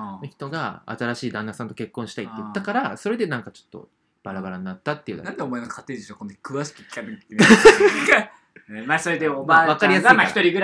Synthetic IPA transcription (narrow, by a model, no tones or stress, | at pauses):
noçi̥t̪o̞ɡaa̰t̪aɾaɕiːd̪ãnːasãnt̪o̞̥ke̞kːõ̞ɕi̥t̪ait̪ːejɯt̪ːakaɾaso̞ɾe̞d̪e̞nãŋkat͡ɕo̞̥t̪ːo̞̰ | b̥aɾabaɾaɲ̟inat̪ːat̪ːeiɯ̟d̪a̰nãnd̪eomoenokʰat̪ːeːd̪eɕokond̪akɯ̟βaɕi̥kɯ̥kʲi̥kat̪et̪ːk̪ | a | emaːso̞ɾed̪eomaβakaɾʲijasamaaçit̪o̞ɾʲiɡɯ̟ɾ